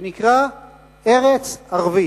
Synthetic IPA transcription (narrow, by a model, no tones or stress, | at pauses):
nikʁa | eʁet͡saʁvi